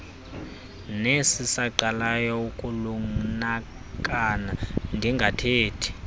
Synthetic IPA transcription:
nesisaǀalajɔukʼuluŋna | kʼanandʱiŋɡʱatʰeːtʰi̥

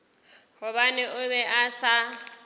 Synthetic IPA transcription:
hʊβanɪʔʊbɛʔasa

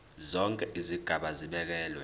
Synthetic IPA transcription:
zɔŋkʼɛʔiziɡ̥ʱaɓaziɓɛk̬ɛːlwɛ

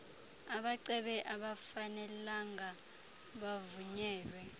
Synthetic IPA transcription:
aɓaǀɛɓɛʔaɓafanɛlaŋa | ɓavuɲɛːlwɛ

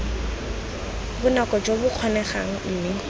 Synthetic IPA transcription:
bʊnakɔd͡ʒobʊq͡χʰɔnɛχaŋ̩n̩ːne

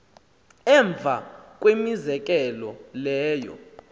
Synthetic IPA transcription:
ɛɱb̪vʱa̰k̬ʼwemizɛk̬ʼɛlɔlɛːjɔ̰

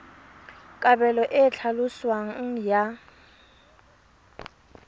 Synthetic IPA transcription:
kʼabɛlɔʔɪt͡ɬʰalʊswaŋ̩ja

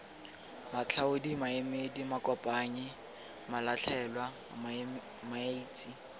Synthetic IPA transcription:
mat͡ɬʰaʊdimaemedimakʼɔpʼaːɲɪ | malat͡ɬʰɛlwa | maiːt͡sʼi

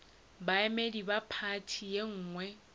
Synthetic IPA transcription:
baɛmedibapʰatʰijeŋ̩ːŋwɛ

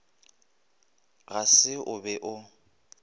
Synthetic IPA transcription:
ɣasɪʔʊbɛʔʊ

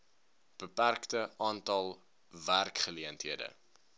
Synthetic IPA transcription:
b̥əpærktəʔɑːntɐlˠ | værkχəliəntɦiədə̰

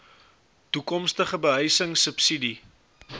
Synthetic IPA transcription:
tukɔmstəχəbəɦəjsəŋsəpsidi

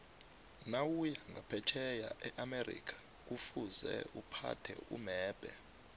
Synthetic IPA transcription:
nawujaŋɡʱapʰɛt͡ʃʰɛjaʔɛʔamerḭːkʰḁ | k̬ufuzɛ̰ʔupʰa̰tʰɛ̰ṵmɛːb̥ʱɛ

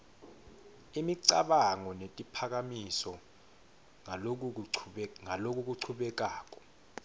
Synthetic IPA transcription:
imiǀa̰ɓaŋɔnetʼipʰak̬amisɔ | ok̬u | ŋalok̬ʼuk̬uǀʰuɓɛk̬aːk̬ʼɔ̥

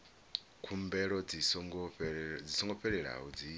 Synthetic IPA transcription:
kʰumbɛɺɔd͡z | d͡zisɔŋɡɔɸɛɺɛɺa̰ɦɔd͡zi

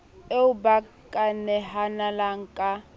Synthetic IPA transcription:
euba | kʼanɛɦanalaŋ̩kʼa

